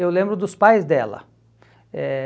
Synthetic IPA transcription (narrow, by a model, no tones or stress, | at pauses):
ewlẽmbɾʊd̪ʊspajzd̪ɛlɐ̰ | ɛ